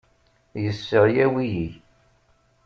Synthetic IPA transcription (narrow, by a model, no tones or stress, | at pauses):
jəsːəʁjæwiji